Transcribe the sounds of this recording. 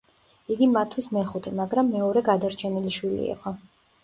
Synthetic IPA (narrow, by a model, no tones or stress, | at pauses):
iɡimat̪ʰwismɛχut̪ʰɛmaɡɾamːɛɔɾɛɡad̪aɾt͡ʃʰɛniliʃwilḭḭqʼɔ